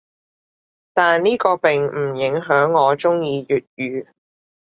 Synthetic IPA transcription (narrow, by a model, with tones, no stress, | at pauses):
t̪aː˨nniː˥kɔː˧pɪ˨ŋm̩˨˩jɪ˨˥ŋɦœː˨˥ŋːɔː˨˧t͡sʊ˥ŋjiː˧jyː˨t̚jyː˨˧